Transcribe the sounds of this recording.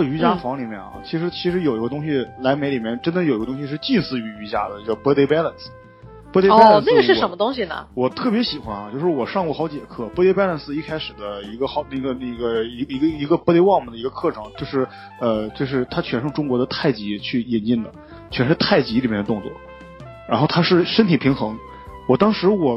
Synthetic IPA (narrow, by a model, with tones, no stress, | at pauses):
ə˥˩y˧˥t͡ɕja˥fɑ˧˥ŋli˨˩mjɛ˥˩nɐ̰˩t͡ɕʰi˧˥ʂɻ̩˧˥t͡ɕʰi˧˥ʂɻ̩˧˥jo˨˩ʊi˧˥ɡə˧t̪ʊ˥ŋɕi˨la˧˥ɪme˧˥ɪli˨˩mjɛ˥˩nʈ͡ʂə˥nd̪ə˨jo˨˩ʊi˧˥ɡə˧t̪ʊ˥ŋɕi˧ʂ̬ɻ̩˥˧t͡ɕi˥˧nsɹ̩˥˩y˧˥y˧˥t͡ɕja̰˥d̪ə˨t͡ɕo˥˩ʊ˩pə˥t̪e˥ɪpa˥lə˨˩ns̩ | pt̪e˥lə˩nsa˥˩ɡə˩ɻ̩˥˩ə˧˥mə˧t̪ʊ˥ŋɕ̬i˨nə̰˩wɔ˨˩t̪ʰɤ˥˩pjɛ˧˥ɕi˨˩xwa˧˥nɐ˧˩t͡ɕjo˥˧ʊʂɻ̩˥˩wɔ˨˩ʂɑ˥˧ŋkwɔ˥˩xɑ˧˥ʊt͡ɕɛ˨˩kʰɤ˥˩pə˧˥t̪e˥pɛ˥lə˧nsɹ̩˧i˥˩kʰa˥ɪʂɻ̩˨˩d̪ə˦i˧˥ɡə˧xɑ˧˥ʊna˥˩ɡə˩ne˥˩ɪɡə˦i˧˥˧i˧˥ɡə˧i˧˥ɡə˧pə˧˥t̪e˥˧ɪwɑ˥˩ŋmə˨˩nd̪ə˩i˧˥ɡə˧kʰɤ˥˩ʈ͡ʂʰɤ˧˥ŋt͡ɕjo˥˧ʊʂɻ̩˥˩ | ə˧t͡ɕo˥˧ʊʂ̬ɻ̩˥˧t̪ʰa˥t͡ɕʰɥɛ˧˥nʂɤ˥˩ŋʈ͡ʂʊ˥ŋkwɔ˧˥d̪ə˧t̪ʰa˥˩ɪt͡ɕi˧˥t͡ɕʰy˥˩jɛ˥˩nt͡ɕi˥˩nd̪ə˩ | t͡ɕʰɥɛ˧˥nʂɻ̩˥˧t̪ʰa˥˩ɪt͡ɕi˧˥li˨˩mjɛ˥˩nə˧t̪ʊ˥˧ŋt͡swɔ̰˥˩ | ɻa˧˥nxʊt̪ʰa˥ʂɻ̩˥˩ʂə˥nt̪ʰi˨˩pʰi˧˥ŋxɤ˧˥ŋ | wɔ˨˩t̪ɑ˥ŋʂɻ̩˧˥wɔ˨˩